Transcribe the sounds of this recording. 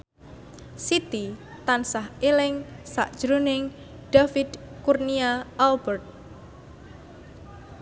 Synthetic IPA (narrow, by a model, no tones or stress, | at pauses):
sit̪i | t̪ansaɦelɪŋsa̰ʔd̥ʒ̥ɾunɪŋ | d̥afid̪kurniaːlbərt̪̚